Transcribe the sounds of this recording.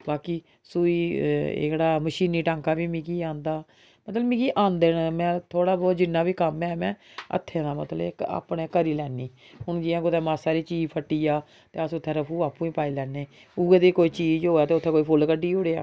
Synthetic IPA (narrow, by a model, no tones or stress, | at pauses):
baːkiː | suːiːḛkɽaːməʃiːniːʈãːŋkaːbiːmĩːkiːãːnd̪aː | mət̪ləmĩːkiːʔãːnd̪eːnmɛ̃ːt̪ʰoːɽaːbɔːt̪d͡ʒɪnːaːbiːkəmɛːmɛ̃ːə̰t̪ʰːẽːd̪aːmə̰t̪ləeka̰ːpɳẽːkəɾiːlɛːniː | ɦʊɳd͡ʒiːãːkʊt̪ɛ̃ːmaːsaːɾiːt͡ʃiːd͡ʒpʰəʈːiːaː | t̪eːəsʊt̪ʰːeːɾəpʰuːaːpũːiːpaːiːlɛːneː | ʊɡed̪eːkoːiːt͡ʃiːd͡ʒɦoːaːt̪eːʊt̪ʰːeːkoːiːpʰʊlkəɖiːʊɽeːa̰ː